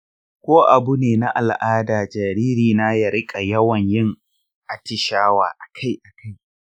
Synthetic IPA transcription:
kʷoː˦ʔa˨bu˦neː˨na˦ʔa˨lʔaː˦daː˨d͡ʒa˨ɾiː˦ɾiː˨na˦jɐ˨ɽɪ˦kʼa˨jɐ˦wɐ˨ɲjɪ˦ŋ | ʔa˨tɪ˨ʃaː˦wa̰ː˨ʔa˨kʰa˦jʔa˨ka˦j

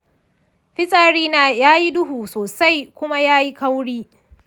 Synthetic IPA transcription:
ɸɪ˦sʼaː˦ɽiː˦naː˦jaː˦ji˦dʊ˦ɦuː˨soː˨sa˦jkʷʊ˦ma˦jaː˦ji˦ka˦wɽiː˦

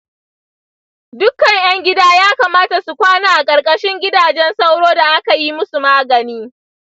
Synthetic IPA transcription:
dʊ˦kːɐ˨ŋj̰ɐ˦ŋɡʲɪ˦daː˦jaː˦kaː˨maː˦ta˨su˨kʷaː˦naː˨ʔa˨kʼɐ˨ɾkʼɐ˦ʃɪ˦ŋɡʲɪ˦daː˨d͡ʒɛ˦nsa˦wɽoː˦da˨ʔa˦ka˨ji˦mʊ˦su˨maː˦ɡɐ˨niː˦

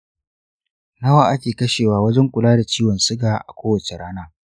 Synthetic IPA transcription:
nɐ˦waː˨ʔa˦kʲeː˨kɐ˦ʃeː˨waː˨wɐ˦d͡ʒɛ˦ŋkʷʊ˨laː˦da˨t͡ʃiː˦wɔ˨nsʊ˦ɡaː˨ʔa̰˨kʷoː˦wɐ˨t͡ʃe˨ɽaː˦naː˦

